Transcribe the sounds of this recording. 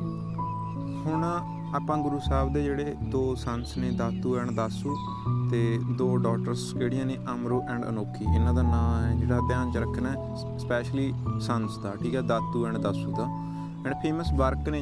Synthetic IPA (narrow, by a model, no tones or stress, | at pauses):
hʊɳː | aːpãːɡʊɾuːsaːbd̪eːd͡ʒeːɽeːd̪oːsənsnẽːd̪aːt̪ːuːɛːɳd̪aːsuː | t̪eːd̪oːɖɔːkʈəɾsd͡ʒeːɽɪjãːnẽːʔəmɾoːʔɛ̃ːɳɖə̰noːkʰːiːʔɪnãːd̪aːnãːɛːd͡ʒeːɽaːd̪jaːnt͡ʃəɾəkʰənɛː | spɛːʃliːsənsd̪aːʈʰiːkɛːd̪aːt̪ːuːɛːɳd̪aːsuːd̪aː | ɛ̃ːɳpʰeːməsbəɾknẽː